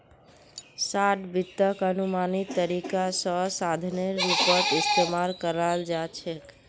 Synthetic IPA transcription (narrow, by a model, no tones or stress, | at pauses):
saʈbit̪ːəkənumanit̪ːəɾikasəsad̪ʱneɾːipəɾʈist̪emalkəɾald͡ʒat͡ʃʰɛk